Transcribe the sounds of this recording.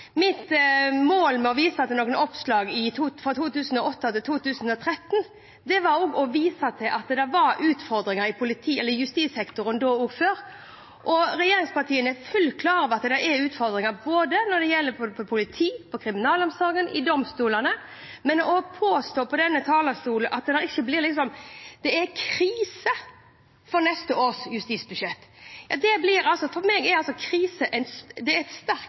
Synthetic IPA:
mɪt̪moːlmɛɔʋiːsɑɑt̪d̪ɛnoːɡənɔpslɑːɡɪt̪ʰuːfɾɑt̪ʰuːt̪ʉːsən̩ɔʔɔt̪ːɑt̪ɪlt̪ʰuːt̪ʉːsənɔt̪ʰɾɛt̪ːn | d̪ɛʋɑɾoːɡɔʋiːsɑt̪ʰɪlʔɑt̪d̪ɛʋɑɾʉːt̪fɔɾd̪ɾɪŋɑɾɪpʰʊlɪt̪ʰiːɛlːəjʉst̪iːsɛkt̪ʊɾənd̪oːuːɡføːɾ | ʔɔɾɛjeːɾɪŋspɑʈ̪ʰiːənɛfʉlːkʰlɑːɾɑʋɑt̪d̪ɛɛɾʉːt̪fɔɾd̪ɾɪŋɑboːd̪ənɔɾd̪ɛjɛlːəpɔpʰɔpʰʊlɪt̪ʰiːpʰɔkʰɾɪmɪnɑːlɔmsɑːɡənʔɪ̰d̪ɔmst̪uːlɑnə | mɛnɔpʰoːst̪oːpʰɔd̪ɛnːət̪ʰɑːləst̪uːlnʔɑt̪̚d̪d̪ɛɾɪçːəblɪɾlɪksɔmd̪̥ɛɛɾkʰɾiːsə | fɔɾnɛst̪əoːɾsjʉst̪iːsbʉʃɛt̪ːjɑd̪ɛblɪɾɑlsɔfɔɾmeːɡɛɾɑlsɔkʰɾiːsəʔɛɪnsd̪ɛɛɾɛt̪st̪æɾk

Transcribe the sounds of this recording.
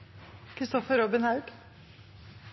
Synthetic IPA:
kʰɾɪst̪ɔfəɾɔbɪnhɑʉd̪

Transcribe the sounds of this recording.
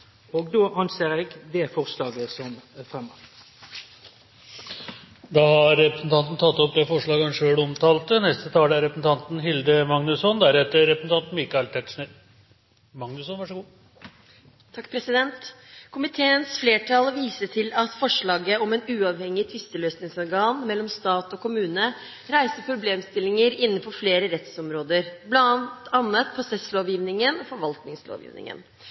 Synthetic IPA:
oːɡd̪oːʔɑnseːʁeːɡd̪eːfɔʁslɑːɡəsɔmfʁɛmɔ | d̪ɑːhɑɾːɛpɾəsn̩t̪ʰɑnt̪n̩t̪ʰɑt̪ːɔp̚d̪ɛfɔʂɭɑːɡɑnʂøːɽɔmt̪ʰɑːlt̪ənɛst̪ət̪ʰɑːləæɾɛpəsn̩t̪ɑnt̪n̩ɦɪld̪əmɑŋnʉsɔnd̪æɾɛt̪ːəɾɛpɾəsn̩t̪ɑnt̪n̩mɪkːɑlt̪ʰɛʈ̪ʂɳe | mɑŋnʉsɔnʋɑʂɔɡuː | t̪ʰɑkːpʰɾɛsɪd̪ɛnt̪kʰʊmɪt̪ʰeːənsfleːʈʰɑlʋiːsəʈʰɪlɑt̪fɔʂɭɑːɡəɔmɛːnʉːɑʋhɛŋːɪt̪ʰʋɪst̪əløːsnɪŋsɔɾɡɑːnmɛlːɔmst̪ɑːt̪ɔkʊmʉːnə | ɾæɪsəpʰɾʊbleːmst̪ɪlɪŋəɾɪnːəfɔfleːɾəɾɛt̪sɔmɾoːd̪əɾblɑt̪ɑnːət̪pʰʊsɛsloːʋjiːʋnɪŋənɔfɔɾʋɑlt̪nɪŋslo̰ːʋjḭːʋnɪ̰ŋə̰n

